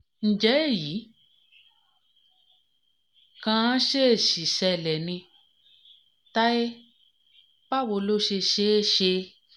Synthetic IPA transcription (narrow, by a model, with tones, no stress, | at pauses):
n̩˨d͡ʒɛ˨˦e˦˨ji˨˦ | kã˧˦ʃe˦˨ʃi˨sɛ˧˨lɛ˨nĩ˧ | ta˦e˦ | pa˦˨wo˧lo˦ʃe˧ʃe˦˨ʃe˧